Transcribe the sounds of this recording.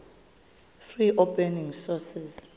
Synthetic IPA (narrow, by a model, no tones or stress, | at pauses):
friʔopʰʼɛniŋsɔsiz